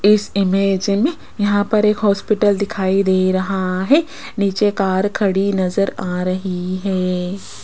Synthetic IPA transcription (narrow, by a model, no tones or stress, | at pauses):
ɪsɪmeːd͡ʒmẽ | jɐɦãpɐɾeːkɦɔːspɪʈəld̪ɪkʰaːid̪eːɾɐɦaɦɛː | niːt͡ʃekaːɾkʰɐɽinɐzəɾaːɾɐɦiɦɛː